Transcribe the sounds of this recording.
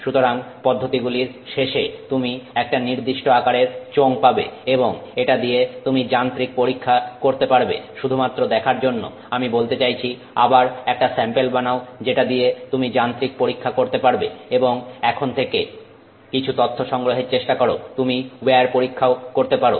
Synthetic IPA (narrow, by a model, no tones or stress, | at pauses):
ʃut̪oɾaŋpɔd̪ʱːot̪iɡuliɾʃeʃet̪umiɛk̚ʈaniɾd̪iʃʈoakaɾeɾt͡ɕoŋpabḛeboŋeʈad̪ijet̪umid͡ʑant̪ɾik̚poɾikʰːakoɾt̪epaɾbḛʃud̪ʱumat̪ːɾod̪ɛkʰaɾd͡ʑonːo̰ | amibolt̪et͡ɕajt͡ɕʰi | a̰baɾɛk̚ʈasɛmpelbanaod͡ʑeʈad̪iet̪umid͡ʑant̪ɾik̚poɾikʰːakoɾt̪epaɾbeeboŋɛkʰont̪ʰeke | kit͡ɕʰut̪ɔt̪ʰːoʃɔŋɡɾoɦeɾt͡ɕeʃʈakɔɾot̪umibeaɾpoɾikʰːaokoɾt̪epaɾo̰